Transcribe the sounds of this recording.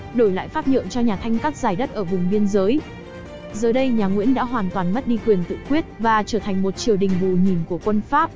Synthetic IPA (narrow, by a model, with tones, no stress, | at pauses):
ɗo˧˩jla̰ː˧˨jfaː˦˥t̚ɲə̰˧˨nt͡ɕɔ˧ɲaː˨˩t̪ʰa˧jŋ̟kaː˦˥k̚zaː˨˧˩jɗə˦˥t̚ʔəː˧˩vʊ˨˩ŋ͡mɓi˧ənzəː˨˦j | zəː˨˩ɗə˧jɲaː˨˩ŋwḭ˧˥ənɗa̰ː˧˥ɦwaː˨˩nt̪waː˨˩nm˦˥t̚ɗi˧kwi˨˩ənt̪ɨ̰˧˨kwi˦˥ət̚vaː˨˩t͡ɕəː˧˩t̪ʰa˨˩ŋ̟mo˨˩t̚t͡ɕi˨˩əwɗï˨˩ŋ̟vu˨˩ɲi˨˩nku˧˩əkwə˧nfaː˦˥p̚